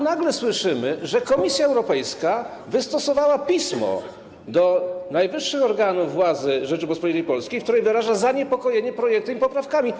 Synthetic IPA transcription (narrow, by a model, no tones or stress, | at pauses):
naɡlɛswɘʂɘmɘʐɛkɔmʲisʲjaɛwɾɔpɛjska | vɘst̪ɔsɔvawapʲismɔ̰ | d̪ɔnajvɘʂːɘxɔɾɡanuvːwad̪zɘʐɛt͡ʂɘɡɔspɔlʲit̪əjpɔlskʲijk̚t̪uɾɛjvɘɾaʐazaɲɛpɔkɔjeɲɛpɾɔjɛkt̪ɛmipɔpɾafkamʲi